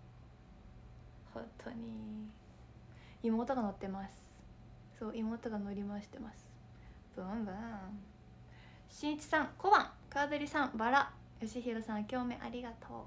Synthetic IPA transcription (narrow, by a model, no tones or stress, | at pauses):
hõ̞̰nt̪ʰo̞̰ɲ̟i | imo̞ːt̪o̞ɡano̞t̪ːe̞masɨ̥ | so̞ːimo̞ːt̪oɡano̞ɾʲimaɕi̥t̪e̞masɨ̥ | bõmbɯ | ɕĩt͡ɕi̥sãŋko̞bãŋkaːd̪oɾʲisãmbaɾa | jo̞ɕiçiɾosãɰkʲo̞ːme̞ʔaɾʲiɡat̪ʰo̞̰ː